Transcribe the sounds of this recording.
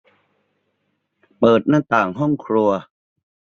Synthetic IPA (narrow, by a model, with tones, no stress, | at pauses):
pɤː˨˩t̪̚naː˥˩t̪aː˨˩ŋɦɔ˥˩ŋkʰɾu˧ɐ